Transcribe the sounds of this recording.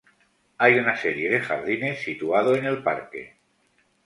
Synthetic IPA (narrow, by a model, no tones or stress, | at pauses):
ajunaseɾje̞ðe̞xa̰ɾð̞ine̞sːit̪uað̞oene̞lpa̰ɾke̞̰